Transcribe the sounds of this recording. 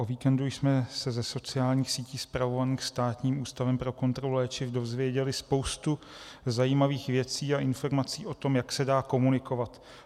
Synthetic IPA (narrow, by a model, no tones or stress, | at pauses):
ʔoviːkɛndujsmɛsɛzɛso̞t͡sɪaːlɲiːxsiːciːspɾavo̞vaniːxst̪aːt̪ɲiːmʔuːst̪avɛmpɾo̞ko̞nt̪ɾo̞lulɛːt͡ʃɪfdo̞zvjɛɟɛlɪspo̞wst̪u | zajiːmaviːxvjɛt͡siːaʔɪnfo̞ɾmat͡siːʔo̞t̪o̞mjaksɛdaːko̞munɪko̞vat̪